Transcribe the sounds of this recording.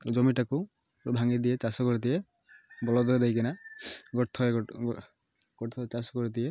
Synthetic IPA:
d͡ʒɔmiʈaku | bʱaŋid̪ijet͡ʃasɔkɔɾit̪ije | bɔlɔd̪ɔɾɛd̪ajkinaɡɔt̪ʰɔe | ɡ̥ɔt̪ʰɔt͡ʃasɔ̥kɔɾit̪̬ie

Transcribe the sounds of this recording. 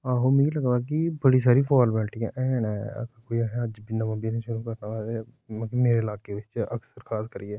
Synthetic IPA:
aːɦomĩːiləɡbaːk̬ibəɽiːs̬aːɾipʰɔːlbɛːʈiã̰ʔɛ̃ːnɛ̰kːkoːiəɦɛ̃əd͡ʒbɪnamə̃binĩʃʊɾuːkəɾnaʋaːd̪ɛ | mãːkimeːɾeɪlaːkeːʋɪt͡ʃəksəɾkʰaːskəɾiɛː

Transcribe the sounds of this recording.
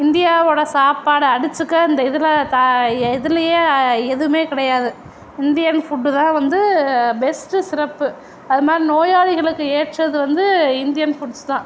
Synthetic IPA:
ɪnd̪ɪjaːʋoːɽɐsaːpaːɽɯɐɽɯt͡ʃːɯkːaːɪnd̪ɐɪðɯlɐt̪aɪðɯlɐjeːɛðɯmeːkɪɽɐjaːðɯ | ɪnd̪ɪjɐnfuʈːɯt̪ãːʋɐnd̪ɯbɛsʈɯsɪɾɐpːɯ | ɐðɯmaːd̪ɾinoːjaːlɪɣɐɭɯkːɯeːʈrɐðɯʋɐnd̪ɯɪnd̪ɪjɐnfuʈst̪ãː

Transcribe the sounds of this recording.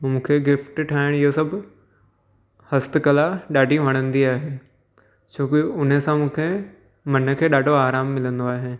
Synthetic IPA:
mũːkʰeɡɪfʈʈʰaːɪɽ̃ɪɦosɐbʱ | hɐst̪ɪkɐlaɗaːɖʱiʋɐɽ̃ə̃nd̪iaːɦeː | t͡ɕʰoːkɪʊn̤ə̆sãmũːkʰe | mɐnə̆kʰeːɗaːɖʱoaːɾaːmːɪlə̃nd̪oaːɦe

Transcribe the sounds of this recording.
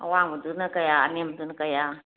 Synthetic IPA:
awaŋbudunakajaːnemdunkaja

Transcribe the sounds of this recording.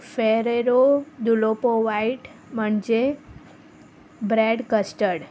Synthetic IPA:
feɾeɾod̪ulopoʋaiʈməɳd͡ʒe | bɾeɖkəsʈəɽ

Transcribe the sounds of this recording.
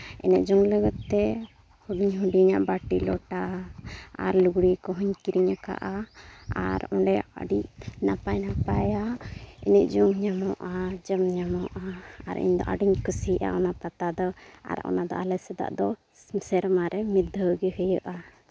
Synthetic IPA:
ɛ̰nɛʔ̚d͡ʒɔŋləɡɔt̪ːɛ | huɖiɲɦuɖiɲaʔbaʈilɔʈa | a̰ɾluɡɽikɔɦɔɲkiɾiɲaka̰ʔaa̰ɾɔɳɖɛa̰ɖicnapajnapajaɛ̰nɛʔ̚d͡ʒɔŋɲamɔʔad͡ʒəmɲamɔʔaːɾḭɲd̪ɔ̰ʔa̰ɖiɲkəsiʔa̰ɔnapat̪ad̪ɔa̰ɾa̰ʔɔ̰nad̪ɔ̰alɛsɛd̪a̰ʔd̪ɔ | sɛɾmaɾɛmid̪ʱːəɡihəjəʔa

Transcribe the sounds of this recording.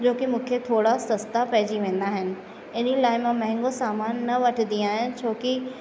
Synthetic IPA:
d͡ʑoːkimũːkʰet̪ʰoːɽasɐst̪apɐɦɪd͡ʑiʋẽːn̆d̪aːɦɪnɪ̆ | ɪnilaːɪmãmɐ̃ɦɪ̃ŋɡõsaːmaːnːɐʋɐʈʰnd̪ĩaːɦɪnɪ̆t͡ɕʰoːki

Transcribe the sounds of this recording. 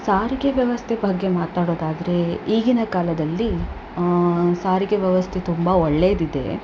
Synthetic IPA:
saːɾiɡeʋjɐʋɐst̪ʰebʱɐɡːe̞maːt̪aːɽo̞ːd̪aːd̪ɐɾe̞iːɡinɐkaːlɐd̪ɐlːi | saːɾiɡeʋjɐʋɐst̪ʰet̪umbɐɔɭːeːd̪id̪e̞̰

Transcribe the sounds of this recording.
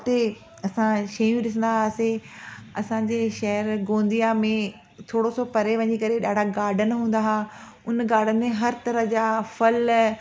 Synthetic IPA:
t̪e | ɐsãʃɐjũɗɪs̬ə̃nd̪aɦaseɐsãːɲd͡ʑeːʃɐɦəɾɡõːn̆d̪ijamẽ | t̪ʰoːɽosopɐɾeʋɐ̃ɲikɐɾeɗaːɖʱaɡaːɾɖʱənɪɦũːn̆d̪aɦa | ʊnɡaːɾɖ̤ʱənɪ̆mẽɦɐɾt̪ɐɾəɦd͡ʑaːfɐl

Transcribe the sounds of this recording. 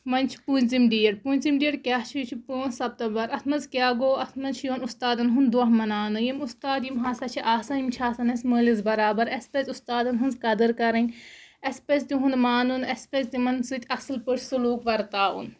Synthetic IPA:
mɐnʲt͡ʃʰpuːnʲzimɖiːɐɽpuːnʲzimɖiːɐɽkʲaːt͡ʃʰit͡ʃʰipuːnsɐb̚t̪ɐbɐɾɐt̪ʰmɐnzkʲjaːɡoːɐt̪ʰmɐnt͡ʃʰjoːnust̪aːd̪ɐnɦund̪uɐɦmɐnaːnɨjɐmust̪aːd̪jimɦaːsɐt͡ʃʰiʔaːsɐnimt͡ʃʰaːsɐnɐsʲməːlizbɐɾaːbɐɾɐspezʲust̪aːd̪ɐnɦɐnzkɐd̪ɨɾkɐɾɐnʲɐspest̪iɦunmaːnunɐspest̪imɐnsɨt̪ʰʲɐslpəɾʰsuluːkʋɐɾt̪aːṵn

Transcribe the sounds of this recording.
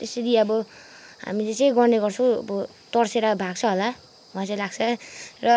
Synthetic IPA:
t̪eseɾiʌbʌ | ɦa̰mit͡sʌt͡sʌj̃ɡʌrneɡʌrt͡sʰʌ̃ʌ̰bʌ | t̪ʌrseɾabʱaɡt͡sʰʌɦola | wʱãnt͡sʌjlaɡt͡sʰʌrʌ

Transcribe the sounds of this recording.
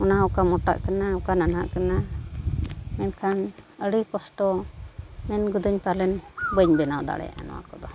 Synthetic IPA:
ɔnaukamɔʈa̰ʔkanaukanana̰ʔkana | mɛnkʰanəɽikɔsʈɔ | mɛnɡud̪uɲpalɛnbəɲbɛnawd̪a̰ɽɛ̰ja̰ʔa̰nɔ̰wa̰kɔd̪ɔ

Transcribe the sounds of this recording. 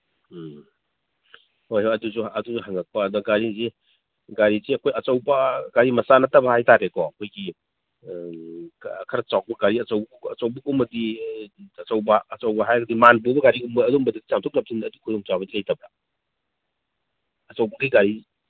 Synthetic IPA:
hojɦoɐdusuɐdusuɦaŋɐk̚pɐːdɔɡaɾizi | ɡaɾiziɐkʰojɐt͡ʃɐwbɐɡaɾimɐsanɐtːɐbɐhajtaɾekɔɐkʰojɡi | kʰɐɾɐt͡ʃawk̚bɐɡaɾiɐt͡ʃɐwb | ɐ̰t͡ʃɐwbɐkumɐdi | ɐt͡ʃɐwbɐːt͡ʃɐwbɐɦajɡɐdimanbubɐɡaɾiumbɐːdumbɐdidit͡ʃamtʰɔk̚nɐp̚sindːdukʰudɔŋt͡ʃabɐdilɐjtɐbɾa | ɐt͡ʃɐwbɐɡiɡaɾi

